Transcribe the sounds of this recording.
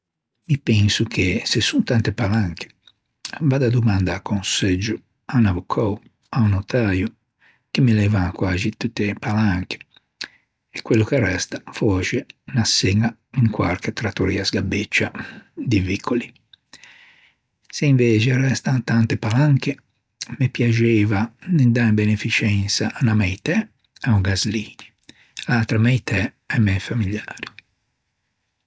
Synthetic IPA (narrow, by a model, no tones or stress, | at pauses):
mipɛnsukʰesesːunt̪ant̪epalaŋkʰe̥ | vad̪ad̪umand̪aːkʰːonsed͡ʒːu | anavokʰɔw | aunot̪aːju | k̟emːilɛːvakwaːzit̪ut̪ːepalaŋke̥ | ɛkwelːukerːɛst̪ḁfɔt͡ʃenasːeŋaiŋkwaɾket̪ɾat̪ːoɾiːasɡabet͡ʃːad̪ivikʰːoli | seiɱveːt͡ʃerɛst̪aŋt̪ant̪epalaŋke | mepjad͡ʒeːvanend̪ambenefit͡ʃɛnsanamɛjt̪ɛ | auɡazliːɲi | lat̪ɾamɛjt̪ʰɛ | ɛmːɛjfamilaːɾi